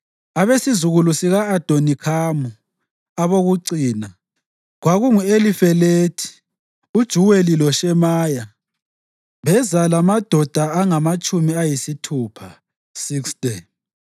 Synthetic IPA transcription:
aβesizuɣulusiɣaːd̥ʱonikʰamu | aβoɣuǀiːna | ɣwaɣuŋuelifɛleːtʰi̥ | ud̥ʒ̥ʱuwelilɔʃɛmaːja | βɛzalamad̥ʱɔd̥ʱaaŋamat͡ʃʼumiajisitʰuːpʰa | sikstʼe

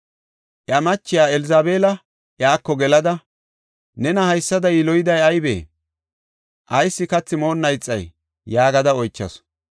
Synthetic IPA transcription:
ʔjɐmɐt͡ʃːɪjaːɛlɪzaːbeːlɐ | ʔjaːkːɔɡɛlɐd̪ɐ | nɛnɐhɐjsːɐd̪ɐjɪlɔjɪd̪ɐjɐjbḛː | ʔɐjsːɪkɐt͡sːɪmo̞ːnːɐjt͡sʼːɐ̰jː | aːɡɐd̪ɐɔjt͡ʃːɐ̰s

